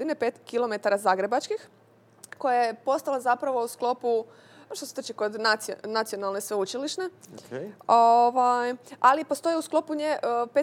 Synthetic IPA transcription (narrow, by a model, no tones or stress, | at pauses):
ine̞peːt̪kilo̞me̞t̪aɾazaɡɾe̞bat͡ʃkix | ko̞jajeepo̞st̪alˠazapɾaʋo̞usklo̞pu | ʃt̪oset̪ot͡ʃikod̪nat̪snat̪sio̞nalnesʋeut͡ʃiliʃne̞ | oʋajalipost̪o̞jeusklˠo̞puɲepe